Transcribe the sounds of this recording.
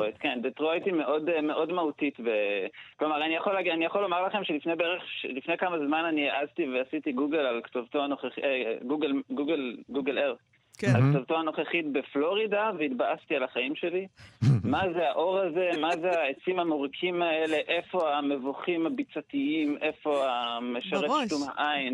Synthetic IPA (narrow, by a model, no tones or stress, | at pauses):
ojt̪ke̞nd̪etʁojt̪imeʔo̞deme̞ʔo̞dmaut̪it̪beklo̞maʁanijaχo̞laɡanijaχo̞lo̞maʁlaχe̞mʃelifne̞jbeʁeχʃlifnejkamazmananiaʔazt̪iveasit̪iɡuɡelalktovt̪oanoχeχeɡuɡelɡuɡelɡuɡeleʁ | kalkt̪ovt̪oano̞χeχit̪̚be̞flo̞ʁid̪aveit̪baʔast̪ialaχaimʃe̞limazeaʔo̞ʁaze̞mazeaet͡simamoʁikʰimaele̞ʔe̞fo̞ame̞vuχimabit͡sat̪iimʔe̞fo̞ameʃaʁeʃt̪umha̰ʔajn